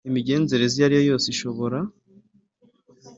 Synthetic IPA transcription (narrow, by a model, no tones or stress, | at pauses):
imiɟe̞ːnze̞ɾe̞zijaɾijo̞jo̞ːsiʃo̞βo̞ɾa